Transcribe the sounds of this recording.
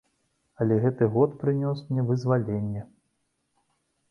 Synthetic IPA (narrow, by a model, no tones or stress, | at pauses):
alʲɛɣɛt̪ɨɣɔt̪pɾɨnʲɔsmnʲɛvɨzvalʲenʲːɛ